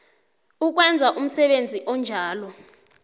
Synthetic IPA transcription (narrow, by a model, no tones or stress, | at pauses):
uk̬wɛnd͡zʱaʔum̩sɛɓend͡zʱiʔɔnd͡ʒʱaːlɔ